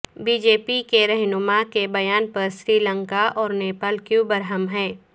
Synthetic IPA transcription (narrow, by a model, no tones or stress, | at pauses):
biːd͡ʒeːpikeɾɛɦnʊmakebɐjaːnpɐɾʃɾiːlə̃ŋkaʔɔːɾneːpəlkjubɐɾɦəmɦɛ̃ː